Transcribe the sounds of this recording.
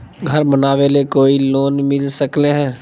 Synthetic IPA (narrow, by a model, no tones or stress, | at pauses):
ɡʱəɾbənaːʋelekoːiloːnmɪlsəkleɦɛ̃ː